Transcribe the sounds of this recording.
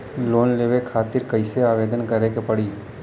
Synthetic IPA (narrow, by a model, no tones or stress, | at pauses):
loːnleːʋekʰaːt̪ɪɾkəɪseaːʋeːd̪ənkəɾekepɐɽiː